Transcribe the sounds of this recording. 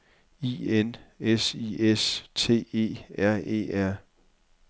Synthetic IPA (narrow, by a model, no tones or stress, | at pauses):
ienesiest͡sʰe̝̰ːe̝̰ːæɐ̰e̝̰ːʔæɐ̰